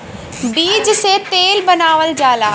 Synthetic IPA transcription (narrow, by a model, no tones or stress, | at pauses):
biːd͡ʒset̪eːlbɐnaːʋəld͡ʑaːlaː